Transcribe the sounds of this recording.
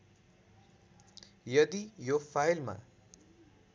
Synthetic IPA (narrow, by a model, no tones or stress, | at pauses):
jʌd̪ijopʰajlma̰